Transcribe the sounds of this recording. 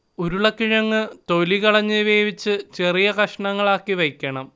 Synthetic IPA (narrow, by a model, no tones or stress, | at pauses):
oɾuɭɐkiɻɐŋːɨt̪o̞liɣɐɭɐɲːɨʋeːʋit͡ɕːɨt͡ɕe̞rijɐkɐʂɐɳɐŋːɐɭaːkːiʋɐjkʲːɐɳɐm